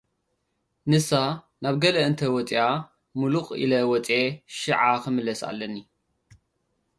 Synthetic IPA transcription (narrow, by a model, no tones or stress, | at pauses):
nɨsa | naβɡɐlɐɨnt̪ʰɐwɔt͡sʼija | muluχʼḭlɐwɔt͡sʼeʃɨʕakɨmɨlɐsa̰lːɐnːi